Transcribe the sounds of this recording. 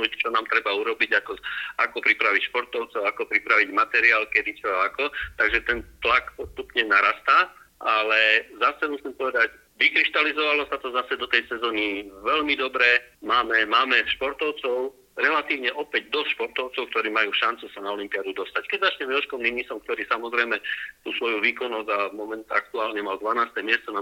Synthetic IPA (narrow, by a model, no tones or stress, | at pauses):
uct͡ʃɔnaːmt̪ɾɛbauɾɔbiɟakɔa̰kɔpɾipɾaʋicʃpɔɾt̪ɔʊt͡sɔʊakɔpɾipɾaʋiɟmat̪ɛɾiaːlkɛd̪it͡ʃɔakɔt̪aɡʒɛt̪ɛnt̪lakpɔst̪upɲɛnaɾast̪aː | ʔalɛzasɛmusimpɔʋɛd̪aɟ | ʋikɾiʃt̪alizɔʋalɔsat̪ɔzasɛd̪ɔt̪ɛjsɛzɔːniʋɛʎmid̪ɔbɾɛmaːmɛmaːmɛʃpɔɾt̪ɔʊt͡sɔʊ | ɾɛlat̪iːʊɲɛʔɔpɛɟd̪ɔst̪ʃpɔɾt̪ɔʊt͡sɔʊk̚t̪ɔɾiːmajuːʃant͡susanaɔlimpiad̪ud̪ɔst̪ackɛɟzat͡ʃɲɛmjɔlʃkɔmniɲisɔmk̚t̪ɔɾiːsamɔzɾɛjmɛt̪uːsʋɔjuʋiːkɔnɔzamɔmɛnt̪ak̚t̪uaːlɲɛmald̪ʋanaːst̪ɛːmɪɛst͡sɔna